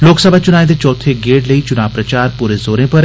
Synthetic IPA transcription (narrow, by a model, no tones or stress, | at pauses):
loːksəbʱat͡ʃʊnaːed̪et͡ʃɔːt̪ʰeɡeːɽləit͡ʃʊnaːʋpɾɐt͡ʃaːɾpuɾezoːɾẽpɐɾ